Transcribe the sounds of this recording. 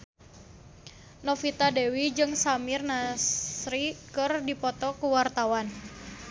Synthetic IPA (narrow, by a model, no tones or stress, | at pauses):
nɔfit̪adɛwid͡ʒɨŋsamɪrnasɾikɨrdipɔt̪ɔkuwart̪awan